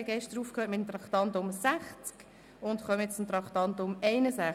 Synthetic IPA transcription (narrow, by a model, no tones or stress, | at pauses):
ɡɛʃtəɾuːfkʰhøːtmɪtəmt̪ɾɑktɑntʊmsæχt͡sk | ʊntχœməjɛt͡st͡sʊmt̪ɾɑktɑntʊmɛɪnəsæ